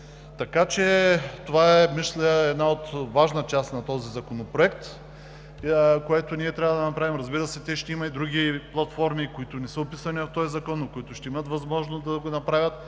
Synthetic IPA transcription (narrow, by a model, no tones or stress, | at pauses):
t̪ɐkat͡ʃɛt̪ovaɛmislʲəɛd̪naot̪vaʒnət͡ʃast̪nɐt̪ɔzizɐkonopɾoɛkt̪ | koɛt̪ʊniɛt̪ɾʲavəd̪ɐnɐpɾavimɾɐzbiɾəsɛt̪ɛʃt̪ɛimɐid̪ɾuɡʲiplˠɐt̪fɔɾmikoit̪ʊnɛsəopisɐnivɐft̪ɔjzɐkɔnːokoit̪ʊʃt̪ɛimət̪vɐzmɔʒnosd̪ɐɡonɐpɾavʲət̪